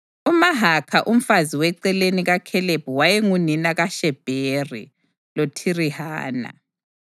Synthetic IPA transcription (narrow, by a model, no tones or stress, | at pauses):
umaɦakʰaʔum̩faziwɛǀɛleniɣakʰɛleb̥ʱuwajɛŋuninaɣaʃɛb̥ʱeːrḭ | lotʰiriɦa̰ːna̰